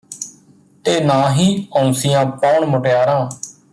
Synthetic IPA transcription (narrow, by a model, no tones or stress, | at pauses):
t̪eːnãːɦiːəũːsɪjãːpɔːɳmʊʈjaːɾãː